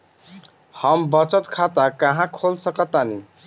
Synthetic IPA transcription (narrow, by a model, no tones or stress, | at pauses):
hʌmbʌt͡ʃət̪kʰat̪akəɦãkʰolsəkət̪ːani